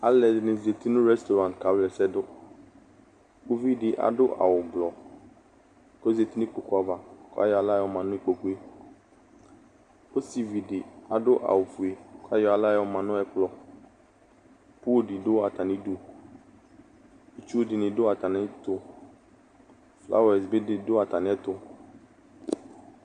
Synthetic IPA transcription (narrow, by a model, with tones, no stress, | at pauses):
a˦lɛ˨dɪ˨nɪ̃˨zi˨e˨t̪i˦nʊ̃˦ɾɛ˦st̪o˨ɾã˨n̚˨ka˨˦wlɛ˨sɛ˦dʊ˦ | o˦vi˦dɪ˨ʔa̰˨dʊ˦ʔa̰˨wʊ˨blɔ˨ | ko˦ze˨t̪i˦nʊ̃˦k͡po˨kʊ˨˦a˨va˨kʊ˦a̰˦jɔ˨˦a˨la˦jʊ˨mã˨nʊ̃˦i˦k͡po˨kʊ˦e˦ | o˦si˨vi˨dɪ˨a˨dʊ˦ʔa̰˨wʊ˨fu˨e˨ka˦jɔ˦a˨la˦jʊ˨mã˨nʊ̃˦ɛ˦k͡plɔ˨ | pʊ˦dɪ˨dʊ˦a˨t̪a˨nɪ̃˦du˦ | u˨t͡ʃu˦o˦dɪ˨nɪ̃˨dʊ˦a˨t̪a˨nɪ˦t̪ʊ˦ | flʔa̰˦wɛ˨sbɪ˦dɪ˦dʊ˦a˨ta˨nɪ̃˦ɛ˦t̪ʊ˦